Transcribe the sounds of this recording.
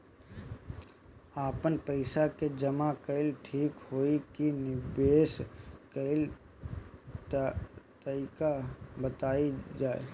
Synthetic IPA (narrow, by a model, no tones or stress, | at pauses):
aːpənpəɪsaked͡ʒəmakəɪlʈʰiːkɦoːikinɪbeːskəɪl | t̪əɾiːkabət̪aːid͡ʒaːḛ